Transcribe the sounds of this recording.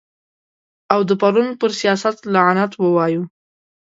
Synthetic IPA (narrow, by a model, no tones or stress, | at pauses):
awd̪əpaɾunpəɾsijɑsat̪laʕanat̪wəwɑju